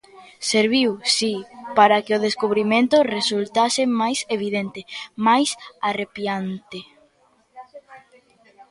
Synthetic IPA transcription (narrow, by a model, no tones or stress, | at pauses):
seɾβiwsipaɾakɪʊð̞eskuβɾimẽnt̪ʊresult̪asɪmajseβ̞iðent̪ɪmajsarepjant̪ɪ